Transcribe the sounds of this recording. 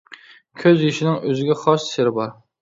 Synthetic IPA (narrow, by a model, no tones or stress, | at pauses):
kʲʰøzjiʃɪnɪŋøzɪɡʲɛχɑʃseɾɪbɑɾ